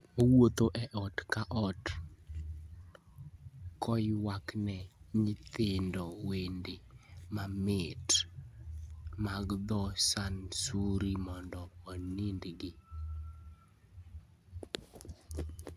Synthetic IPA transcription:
owot̪oʔɛʔɔtkaʔɔt | kɔjwaknɛɲɪt̪ɪndɔwendemamet | maɡd̪ɔsansuɾimɔndɔonindɡɪ

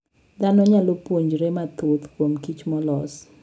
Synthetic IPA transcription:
d̪anɔɲalopwoɲd͡ʒɾemat̪ot̪kwomkit͡ʃmɔlɔs

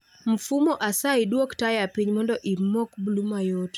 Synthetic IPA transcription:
m̩fumɔʔasaɪdwoktajapiɲmɔndɔʔimokbulumajot

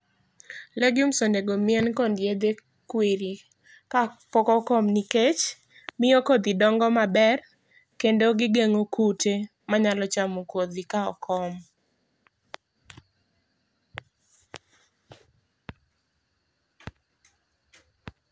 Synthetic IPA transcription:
lɛɡjumsondeɡomɪɛnkɔndjed̪e | kweɾi | kapɔkɔkɔmniket͡ʃ | mɪokod̪idɔŋɡɔmabɛr | kendoɡɪɡeŋokʰutʰe | maɲalɔt͡ʃamokod̪ikaɔ̰kʰɔm

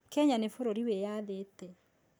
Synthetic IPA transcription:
kɛɲanefoɾoɾiwejaðetɛ

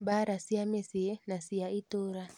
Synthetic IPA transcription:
baɾasiamesienasiaʔitoɾa

